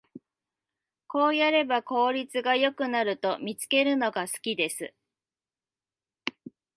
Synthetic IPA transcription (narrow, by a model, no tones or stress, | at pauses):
ko̞ːjaɾe̞bako̞ːɾʲit͡sɨɡajo̞kɯ̟naɾɯ̟t̪o̞mʲit͡sɨ̥ke̞ɾɯ̟no̞ɡasɨ̥kʲid̪e̞sɨ